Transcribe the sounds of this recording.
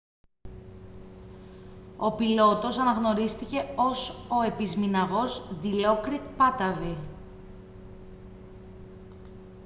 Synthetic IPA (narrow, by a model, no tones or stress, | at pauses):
o̞pilo̞t̪o̞sɐnɐɣno̞ɾist̪ice̞o̞so̞e̞pizminɐɣo̞zðilo̞kɾikpɐt̪ɐvi